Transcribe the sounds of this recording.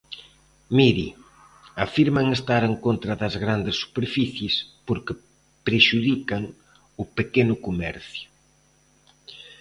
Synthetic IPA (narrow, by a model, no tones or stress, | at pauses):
miɾi | afiɾmɐŋest̪aɾeŋkont̪ɾɐðɐzɣɾand̪ɪsːu̥peɾfiθjɪspoɾkɪ | pɾeʃuðikɐŋ | ʊpekenʊkomɛɾθjʊ